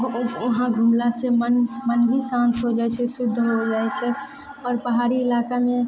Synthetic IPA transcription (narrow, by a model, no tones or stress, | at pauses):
uɦãɡʱumlasemənmənbʱisãnt̪ɦod͡ʒaɛt͡ʃʰɛsud̪ʱːɦod͡ʒaɛt͡ʃʰɛ | ɔɾpəɦaɾiːlakame